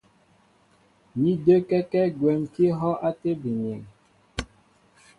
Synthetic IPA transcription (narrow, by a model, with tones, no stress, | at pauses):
mi˦də˦kɛ˦kɛ˦ɡwɛ˨mki˦ɦɔ˦ʔa˦te˦bi˨ɲ˨ɛ˨ŋ